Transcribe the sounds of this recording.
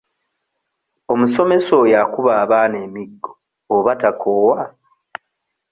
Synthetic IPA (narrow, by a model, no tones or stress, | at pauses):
o̞muso̞me̞so̞jakuβaːβane̞ːmiɡːoː | βatakʰoːwa